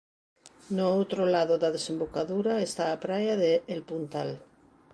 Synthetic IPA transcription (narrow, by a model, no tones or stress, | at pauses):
noowt̪ɾolaðoðaðesẽmbokaðuɾaest̪aːpɾajaðeːlpunt̪al